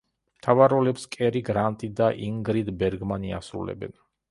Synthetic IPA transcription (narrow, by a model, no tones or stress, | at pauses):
mt̪ʰavaɾɔlɛpskʼɛɾiɡɾant̪ʼid̪aʔiŋɡɾid̪bɛɾɡmania̰sɾṵlɛ̰bɛ̰n